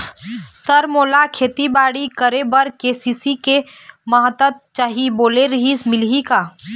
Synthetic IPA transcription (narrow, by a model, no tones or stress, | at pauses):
səɾmoːlakʰeːt̪ibaːɽikəɾebəɾkeːsiːsike | məɦət̪ət̪̚t͡ʃaːɦiboːleɾɐɦismɪlɦikaː